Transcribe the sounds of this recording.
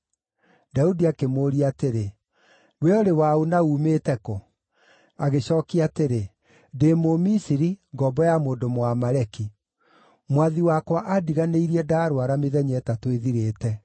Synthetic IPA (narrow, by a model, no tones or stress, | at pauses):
daudiakemoːɾiateɾe | weɔɾewaonauːmetɛko | aɣeɕɔːkiateɾe | demomisiɾiŋɡɔbɔjamoːndomwamaɾɛki | mwaðiwakwaʔadiɣaneiɾiɛdaɾowaɾameðɛɲɛtatweðiɾeːtɛ